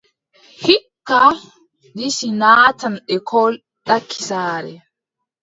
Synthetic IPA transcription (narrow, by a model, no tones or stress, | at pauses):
hikːa | ɗisinaːtanɗɛkʰɔl | ɗakʰːi̥saːɾɛ̰